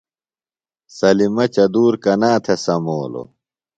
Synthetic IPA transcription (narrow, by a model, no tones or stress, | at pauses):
sɐlimɐt͡ɕɐd̪uːɾkɐnaːt̪ʰesɐmoːlo̰